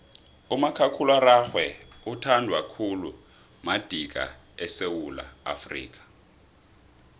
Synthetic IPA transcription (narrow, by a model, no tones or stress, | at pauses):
umakʰakʰulwaɾaxwɛutʰandʱwakʰulu | mad̥ʱik̬ʼa̰ | ɛsewula̰ːfrḭːk̬ʼḁ